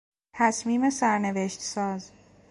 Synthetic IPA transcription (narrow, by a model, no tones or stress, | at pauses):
t̪ʰæsmiːme̞sæɾne̞veʃt̪sɒːz